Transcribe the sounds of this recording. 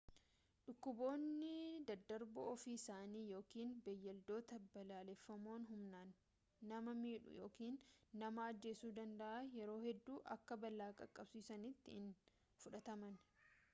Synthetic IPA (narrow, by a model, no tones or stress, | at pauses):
ᶑʊkːʊbo̞ːnːɪd̪ɐd̪ːɐɾbɔɔfiːɪsaːniːjo̞ːkiːnbɛjːɐld̪o̞ːt̪ɐbɐlaːlɛfːɐmo̞ːnɦʊmnaːnː | ɐmɐmiːᶑʊ̰jo̞̰ːkiːnːɐmɐːd͡ʒːe̞ːsuːd̪ɐnd̪ɐʔajɛɾo̞ːhɛd̪ːuːʔɐ̰kːɐbɐlːaːkʼɐkʼːɐbsiːsɐnɪt̪ːɪɪn | fʊᶑɐt̪ɐmɐn